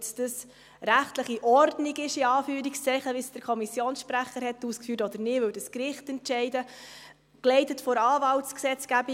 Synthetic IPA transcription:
sd̥əs | ɾæχtləχiʔɔrdniɡɪʃɪɑːfyːɾikst͡sɛɪχəʋisd̥əɾkʰɔmisjoːnsʃpɾæχəɾhɛtːuːskfyːtɔd̥̪əɾnɪːʋɵwdəskɾɪχtɛntʃɛɪdə | klɛɪtətfɔɾɑːvɑltt͡sksɛt͡sɡ̥æbi

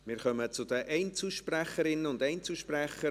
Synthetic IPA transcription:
mɪːɾχœmət͡sʊd̥̪əʔɛɪnt͡suʃpræχəɾɪnːəʊndɛɪnt͡suʃpræχːə

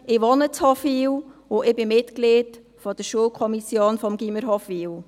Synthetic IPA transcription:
ɪʋɔnət͡shɔfiwʊʔɪbɪmɪtklid | fɔd̥əɾʃuəlkʰɔmisjoːnfɔmɡiməɾɦɔfiːw

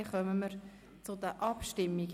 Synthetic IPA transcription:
χœməməɾ | t͡sʊd̪əʔɑpʃtɪmːiɡ

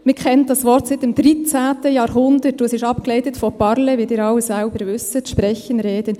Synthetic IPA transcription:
mɪkʰɛntd̥ɑsʋɔɾtsɪtɪmd̥ɾit͡sæːtəjɑːɾɦʊnd̪ətːuəsɪʃɑpklɛɪtətfɔpɑɾlɛʋidɪːɾɑlːəsælbəɾʋʏsətʃpɾɛçənɾeːd̥ən

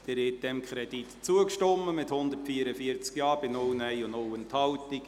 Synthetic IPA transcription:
d̥ɛːɾɪt̚d̥ɛmkʰχɾɛd̥it̪t͡suəkʃtɔmːəmɪthʊnd̪ətfiːəɾəfiət͡skjɑːɾb̥ɪnɔwnæɪʊnowənthɑltik

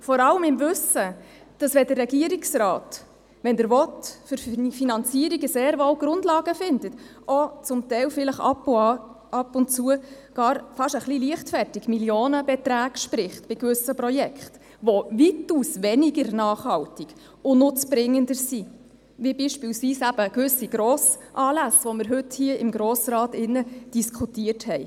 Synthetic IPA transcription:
fɔɾɑləmɪmvʏsə | d̥ɑsʋɛdərːɛɡiəɾiksrɑːt | ʋɛndəɾʋɔtfʏɾfinɑnt͡siːəɾiɡəseːɾʋowɡɾʊndlɑːɡəfɪndətʔoɔt͡sʊmtɛɪlfɪləχɑ̰pːʊɑ | ɑpːʊnt͡suə | ɡ̥ɑːɾfɑʃəχliliəχtfɛrtiɡmiljoːnəbɛt̪ɾæːɡ̥ʃpɾɪχtb̥ɪkʋʏsəprɔjɛkχt | ʋɔvituːsʋɛniɡəɾnɑːχhɑwtiɡ̥ | ʊnʊt͡sb̥ɾɪŋːəndəɾsi | ʋibiʃpiːlsʋiːsæb̥əkʋʏsiɡ̥ɾoːsʔɑːlæsʋɔməɾɦʏthiəɪmɡɾoːsɾɑːtɪnːəd̥iskʰutiərthɛj

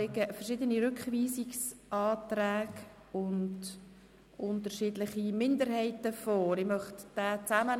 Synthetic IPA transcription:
eɡəfəɾʃɪːdəniɾʏkχʋiːsiksʔɑːt̪ræːɡ | ʊnd | ʔʊntəɾʃiːdlɪχimɪndəɾhɛɪtəfɔːɾɪmœχtd̥æːt͡samə

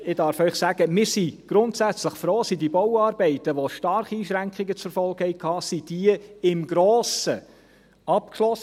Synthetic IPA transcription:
ɪdɑɾfœʏχsæɡ̥əmɪːɾsiɡ̥ɾʊntsæt͡sləχfɾoːsidibɔwɑːɾbɛɪtəʋoʃtɑɾχiiːʃɾæŋkχɪɡət͡sɾfɔlˠɡ̥hɛɪkʰhɑːsid̥iəɪmɡɾoːsə | ɑpkʃlɔs

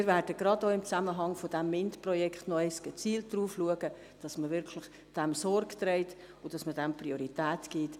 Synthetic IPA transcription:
ɪvæɾd̥əɡɾɑdoːɪmt͡sæməɦɑŋfod̥ɛmːɪntprɔjɛkχtnɔɛɪsɡ̥ɛt͡siːlt̚d̥ruːfluəɡə | d̥ɑsməvɪɾkʰləχ | d̥ɛmsɔrkt̪ɾɛɪt | ʊd̥ɑsmədɛmprioɾitæːtɡ̥it

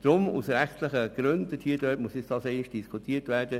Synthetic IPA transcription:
d̥ɾʊmṵsɾæχtləχəɡ̥ɾøntəthiːədøːtmuəsɪt͡sd̥ɑːsɛɪnɪʃd̥iskʰutʰiətʋæːɾd̥ə

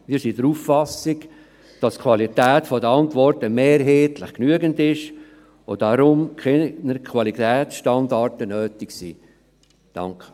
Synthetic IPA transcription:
miːɾsidəɾuːffɑsɪɡ | d̥ɑskʰwɑlitɛːtfɔdəɑntʋɔrtəmeːɾɦeːtləχknyəɡəndɪʃ | odɑɾʊmkʰenəɾkʰvɑlitɛːsʃtɑndɑrtənøːtɪksiː | d̥ɑ̰ŋkʰə̥

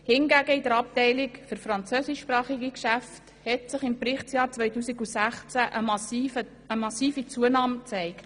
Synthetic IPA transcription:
hɪnɡæɡəidəɾɑp̚tɛɪlɪkfʏɾfɾɑnt͡søːsɪʃpɾɑːχiɡikʃæft | hɛtsɪχɪmprɪχtt͡sjɑːɾt͡sʋœɪtuːsiɡusæχt͡sæʔə | əmɑsiːfit͡suənɑːmt͡sɛɪkt

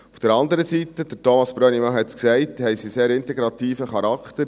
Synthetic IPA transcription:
ufd̥əɾɑnd̪əɾəsitəd̥ətɔmɑsb̥ɾœnimɑɦɛtsksɛɪthɛɪsiseːɾɪntɛɡɾɑtiːfəχɑɾɑkʰt̪əɾ

